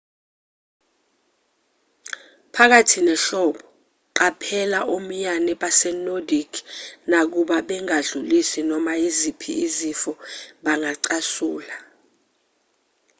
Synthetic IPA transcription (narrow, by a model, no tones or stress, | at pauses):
pʰak̬atʰinɛɬɔɓɔ | ǃapʰɛlaʔom̩ɲanɛɓasɛnodikʰnak̬uɓaɓɛŋaɮulisinɔmaizipʰḭːzifɔɓaŋaǀasuːla